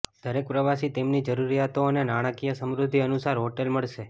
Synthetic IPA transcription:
d̪̥ʱəɾek̚pɾəʋasit̪emnid͡ʒəɾuɾijat̪oənenaɽ̃əkijəsəmɾʊd̪ʱːiənusaɾɦoʈelməɭʃe

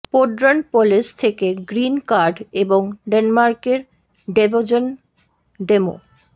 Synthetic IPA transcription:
poɖɾanpolest̪ʰekeɡɾinkaɾɖeboŋɖenmaɾkeɾ | ɖebod͡ʑon | ɖemo̰

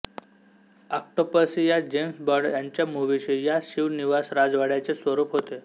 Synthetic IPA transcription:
ak̚ʈopəsijad͡ʑemsbɔɾɽjaɲt͡ɕjamuʋiɕijaɕiʋniʋasɾad͡zʋaɽjat͡sesʋəɾuːpɦot̪e

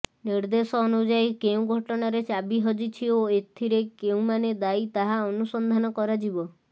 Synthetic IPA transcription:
niɾd̪esɔːnud͡ʒajkeũɡʱɔʈɔɽ̃aɾet͡ʃabiɦɔd͡ʒit͡ʃʰioet̪ʰiɾekeũmaned̪ait̪aɦaɔnusɔnd̪ʱanɔkɔɾad͡ʒibɔ

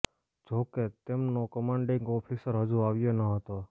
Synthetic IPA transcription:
d͡ʒoket̪emnokəmãɳɖĩŋɡɔpʰisəɾɦəd͡ʒuaʋjonəɦət̪o

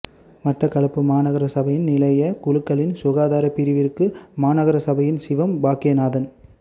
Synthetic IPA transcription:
mɐʈrɐkɐɭɐpːɯmaːnɐɣɐɾɐsɐbɐjɪnnɪlɐjɐkʊɻɯkːɐɭɪnsʊɣaːðaːɾɐpːɪɾɪʋɪrkɯmaːnɐɣɐɾɐsɐbɐjɪnsɪʋɐmbaːkɪjɐnaːðɐn

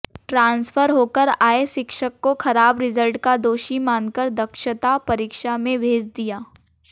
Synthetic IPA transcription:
ʈɾãːnsfʰəɾɦoːkəɾaːeʃɪkʃəkːoxɐɾaːbɾɪzəlʈkad̪oːʃimaːnkəɾd̪ɐkʃət̪apɐɾɪːkʃamẽbʱeːd͡ʒd̪ijaː

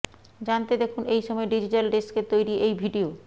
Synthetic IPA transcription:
d͡ʑant̪ed̪ekʰunejʃɔmɔeɖid͡ʑiʈalɖesket̪ojɾiʔejbʱiɖio

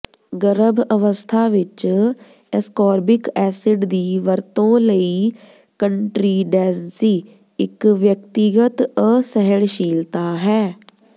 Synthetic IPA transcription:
ɡəɾəbəʋəst̪ʰaːʋɪt͡ʃ | ɛskɔːɾbɪkɛːsɪɖd̪iːʋəɾt̪õːləiː | kəɳʈɾiːɖɛːnsiː | ɪkʋjək̚t̪ɪɡət̪əsəɦəɽʃiːlt̪aːɦɛː

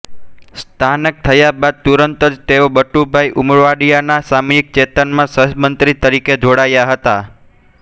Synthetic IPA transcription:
st̪ʰanək̚t̪ʰəjabad̪̚t̪uɾənt̪əd͡ʒt̪eobəʈːubʱaiʔʊmɭʋaɽijanasamujik̚t͡ʃet̪ənmãsəsmənt̪ɾit̪əɾiked͡ʒoɽajaɦət̪a

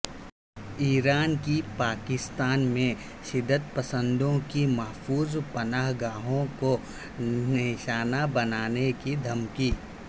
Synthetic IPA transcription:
iːɾaːnkipaːkɪst̪aːnmẽ | ʃɪd̪ːət̪pəsə̃nd̪õkimɐɦfuːzpɐnaːɦɡaːɦõko | nɪʃaːnabɐnaːnekid̪ʱɐmkiː

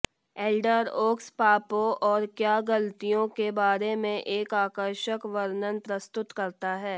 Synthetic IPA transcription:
eːlɖəɾoːkspaːpoʔɔːɾkjaːɡɐlt̪ijõkebaːɾemẽʔeːkaːkəɾʃəkʋəɾnənpɾɐst̪ʊt̪kɐɾt̪aɦɛː

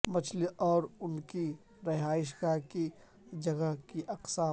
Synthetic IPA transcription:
mɐt͡ʃʰliʔɔːɾʊnki | ɾɪɦaːɪʃɡaki | d͡ʒɐɡəkiʔɐqsaː

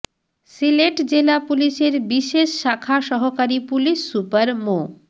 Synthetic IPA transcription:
sileʈd͡ʑelapuliʃeɾbiʃeʃːakʰaʃɔɦokaɾipuliʃːupaɾmo

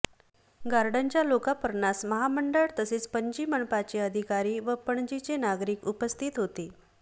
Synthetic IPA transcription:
ɡaɾɖəɲt͡ɕjalokapəɾɳasməɦaməɳɖəɭt̪əseːt͡spəɲd͡ʑiːməɳpat͡ɕeəd̪ʱikaɾiːʋəpəɳd͡ʑit͡senaɡɾiːkupəst̪ʰiːt̪ɦot̪e

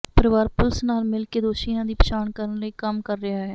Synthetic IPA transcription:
pəɾəʋaːɾpʊlsnaːlmɪlkeːd̪oːʃijãːd̪iːpəʃaːɳkəɾənləiːkəmkəɾːɪaːɦɛː

